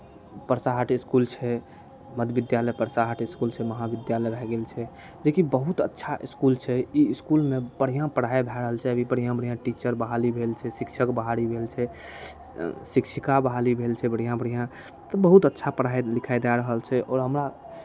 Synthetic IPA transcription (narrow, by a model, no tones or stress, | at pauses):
pəɾsaɦəʈiskult͡ʃʰɛ | məd̪bid̪jaləjpəɾsaɦəʈiskult͡ʃʰɛməɦabid̪jaləjbʱɛɡelt͡ʃʰɛ | d͡ʒekibəɦut̪ə̰tːʃʰaʔiskult͡ʃʰɛiiskulmeb̥əɽ̤ijãpəɽ̤aebʱɛɾəɦəlt͡ʃʰɛəbʱibəɽ̤ijãbəɽ̤ijãʈit͡ʃəɾbəɦalibʱelt͡ʃʰɛsikʃʰəkbəɦaɾibʱelt͡ʃʰɛ | sikʃʰikabəɦalibʱelt͡ʃʰɛbəɽ̤ijãbəɽ̤ijã | t̪ɔbəɦut̪ətːʃʰapəɽaelikʰaed̪aɾəɦəlt͡ʃʰɛʔɔːɾɦəmɾa